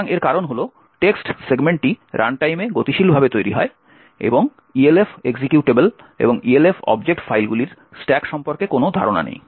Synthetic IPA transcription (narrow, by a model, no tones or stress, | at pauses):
ŋeɾkaɾonɦolo | ʈeksʈseɡmeɳʈʈːiɾa̰ɳʈajmeɡot̪iʃilbʱabet̪ojɾḭɦɔe | ḛboŋ | ielefeɡsikjuʈebel | ḛboŋielefɔ̰bd͡ʑek̚ʈfajlɡuliɾ | sʈɛkʃɔmpoɾkekonod̪ʱa̰ɾona̰nḛj